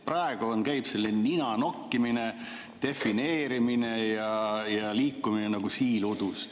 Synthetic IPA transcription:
prɑeɡ̥uonkæjb̥se̞lːineninɑnokːimine | t̪e̞fineːɾimine̞jɑjɑliːkːuminenɑɡ̥usiːlud̪̥us

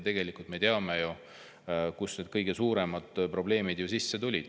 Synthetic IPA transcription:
t̪e̞ɡ̥e̞likult̪met̪eɑmejo | kusned̪̥kɤjɡ̥e̞suːɾe̞mɑd̪̥pro̞b̥le̞ːmid̪jusisːe̞t̪ulʲid̪̥

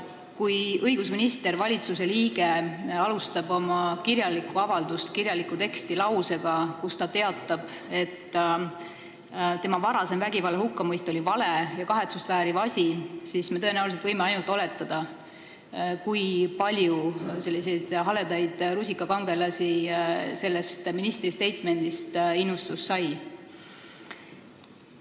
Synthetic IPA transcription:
kujɤjɡ̥usminist̪e̞ɾvɑlʲit̪suse̞liːɡ̥e̞ɑlust̪ɑbo̞mɑkiɾjɑlːikːˑuɑvɑld̪ust̪kiɾjɑlikːˑut̪e̞kst̪ilɑwse̞ɡ̥ɑkust̪ɑt̪e̞ɑt̪ˑːɑb̥e̞t̪ː | t̪e̞mɑvɑɾɑse̞mvæɡivɑlːehukːɑmɤjst̪o̞lʲivɑle̞jɑkɑɦe̞t̪sust̪væːɾivɑsʲisisme̞t̪ɤ̞e̞næuliset̪vɤjmeɑjnult̪ːˑo̞le̞t̪ːˑɑd̪̥ɑ | kujpɑlʲjuse̞lːise̞jd̪̥ɦɑled̪ɑjd̪̥ɾus̬ʲikːˑɑkɑŋɡ̥e̞lɑsise̞lːe̞st̪minist̪rist̪e̞jt̪ˑme̞nd̪̥ist̪inːust̪usːɑj

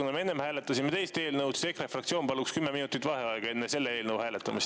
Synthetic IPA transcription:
unɑmee̞nːemhæːlet̪ːˑɑsʲimet̪e̞jst̪e̞ːlnɤwt̪si̥t̪ekrefrɑkt̪sʲioːnpɑlːukskymːeminut̪it̪ːvɑhe̞ɑeɡ̥ɑe̞nːese̞lːeeːlnɤwhæːlet̪ːˑɑmis

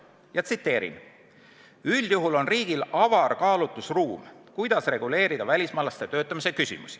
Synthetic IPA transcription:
jɑt̪sit̪ːˑe̞ːɾḭn | ylʲjuɦulo̞nriːɡ̥ilɑvɑrkɑːlut̪ːˑusruːmkujd̪̥ɑsre̞ɡ̥ule̞ːɾid̪̥ɑvælʲismɑlːɑst̪e̞t̪øːt̪ˑːɑmis̬e̞kysʲḭmṵsi̥

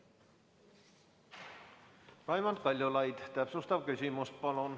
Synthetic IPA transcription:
pɑjmɑnd̪̚kɑlʲjolɑjd̪̥t̪æpsust̪ɑvkysʲimust̪̚pɑlon

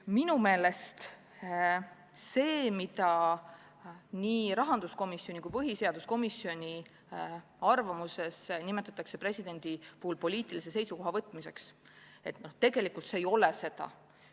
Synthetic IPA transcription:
minume̞ːle̞st̪ | se̞ːmit̪ɑ | niːɾɑɦɑnd̪̥usko̞misːionʲikujpɤɦise̞ɑd̪̥usko̞misːio̞nʲi | ɑrvɑmuse̞snimet̪ːˑɑt̪ːˑɑkse̞pre̞sʲid̪̥e̞nd̪̥ipuːulpo̞liːt̪ˑilise̞se̞jsuko̞ɦɑvɤt̪ːˑmise̞ks | e̞t̪not̪e̞ɡe̞likult̪seːjo̞lese̞d̪̥ɑ̰

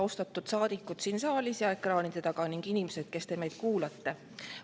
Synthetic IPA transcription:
ost̪ɑt̪ːˑud̪̥sɑːd̪̥ikːˑut̪siːnsɑːlʲisjɑe̞krɑːnid̪̥e̞t̪ɑɡ̥ɑniŋɡ̥inimese̞d̪̥̚ke̞st̪e̞me̞jd̪̥̚kuːlɑt̪ːe̞

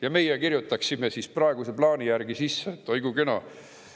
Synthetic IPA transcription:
jɑme̞jɛkirjut̪ːˑɑksimesisprɑeɡ̥use̞plɑːnijærɡ̥isisːeet̪ːˑojɡ̥ukenɑ̰

